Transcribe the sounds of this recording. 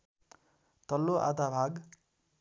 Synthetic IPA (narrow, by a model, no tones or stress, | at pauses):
t̪ʌlːoʔa̰t̪abʱaɡ